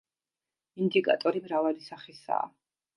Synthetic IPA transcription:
ind̪ikʼa̰t̪ʼɔɾimɾavalisaχisa̰ː

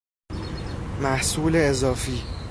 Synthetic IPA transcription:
mæhsuːleːzɒːfiː

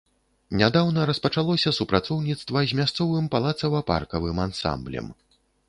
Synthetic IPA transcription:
nʲad̪awnɐɾɐspɐt͡ʂalˠɔsʲɐsupɾat̪sɔwnʲit̪st̪vɐzʲmʲast̪sɔvɨmpalˠat̪sɐvɐpa̰rkɐvɨmansa̰mblʲɐ̰m

